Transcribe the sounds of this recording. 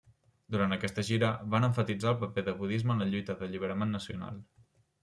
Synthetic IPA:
d̪uɾant̪əkɛst̪əʒiɾəβanəɱfət̪id͡zaəlˠpəpeðəβuðizməːnləʎujt̪əðəʎiβəɾəmenːəsiuna̰lˠ

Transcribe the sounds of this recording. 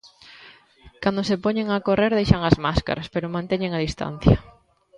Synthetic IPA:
kand̪osepoɲeŋakoreɾðejʃaŋazmaska̰ɾaspeɾomãnt̪eɲeŋaðist̪a̰n̟θjɐ̰

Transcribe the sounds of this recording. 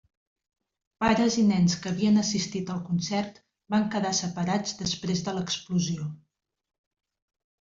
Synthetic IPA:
paɾəzinɛnskəːβiənəsist̪it̪əlˠkunsɛrt̪ | baŋkəðasəpəɾad͡zd̪əspɾezðələkspluzio

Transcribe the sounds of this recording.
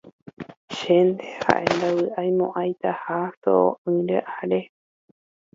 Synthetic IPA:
ʃend̪eha̰ʔend̪awɨʔajmõʔajt̪ahaso̰o̰ʔɨ̃ɾeʔaɾe

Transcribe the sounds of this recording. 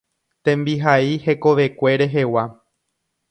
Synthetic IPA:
t̪ẽ̞mbiɦaihe̞ko̞ʋe̞kʷe̞ɾe̞ɦe̞wa

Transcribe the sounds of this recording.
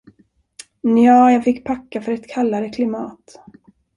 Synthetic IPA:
njɑːjɑːɡfɪkːpʰakːafœɾɛt̪kʰalːaɾəkʰlɪmɑːt̪

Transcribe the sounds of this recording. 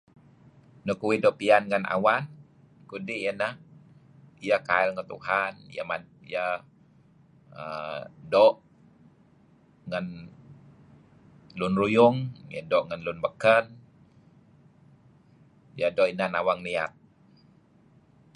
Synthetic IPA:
nukuwidoʔpianŋəna̰wan | kudiʔjənəh | ijəkaɛlŋət̪ṵhanijə̰majə | ədɔʔ | ŋən | lunrujʊŋjə̰dɔʔŋanlʊnbəkən | ijədɔʔinanawaŋnia̰t̪̚

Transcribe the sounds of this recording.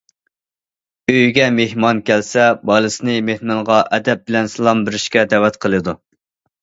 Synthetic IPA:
øjɡʲɛmehmɑnkʲʰælsɛbɑlˠɨsɨnɨmehmɨŋʁɑʔɛd̪ɛp̚bɪlɛnsɨlˠɑmbɪɾɪʃkʲɛd̪ɛwɛt̪qʰəlˠɨd̪u

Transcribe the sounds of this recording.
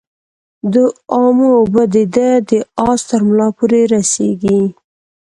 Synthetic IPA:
d̪əɑmobəd̪ed̪ad̪əɑst̪əɾmlɑpoɾeɾaseɡi

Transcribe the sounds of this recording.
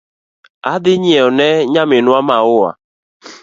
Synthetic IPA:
adɪɲiɔnɛɲamɪnʊamaʊwa̰

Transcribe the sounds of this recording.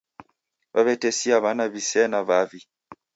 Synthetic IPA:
βaβɛtɛsiaβanaβisɛnaβavi

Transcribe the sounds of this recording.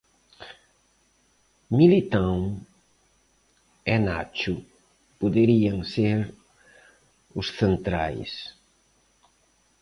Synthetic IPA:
milit̪ãŋ | ɛnat͡ʃʊ | puðeɾiaŋseɾ | ʊsθent̪ɾajs

